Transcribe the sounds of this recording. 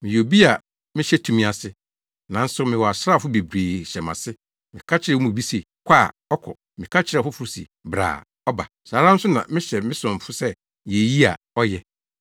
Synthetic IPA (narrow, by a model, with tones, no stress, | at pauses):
mɪ̃˨jo˨bi˦a˨ | mɪ̃˦ɕɛ˦tʰũ˨mĩ˦a˨sɪ˦ | nã˨n̩˦sʊ˦mɪ̃˨wɔ˨a˨sɾa˦˨fʊ˦be˨bɾeː˨ɕɛ˨mã˨sɪ˦ | mɪ̃˨kʰa˦t͡ɕʰɪ˦ɾɛ˦mũ˨bi˦se˨kʰʷa˦˨ | ɔ˦kʰɔ̰˨ | mɪ̃˨kʰa˦t͡ɕʰɪ˨˦ɛ˦˨fʊ˦fʊ˦ɾsḭ˨bɾa̰ː˨ | ɔ˦ba̰˨saː˨ɾã˦n̩˦sʊ˦nã̰˨mɪ̃˦ɕɛ˨mɪ̃˦sʊ̃˨fʊ˦sɛ˦ | je˨ji˦a˨ | ɔ˦jɛ˦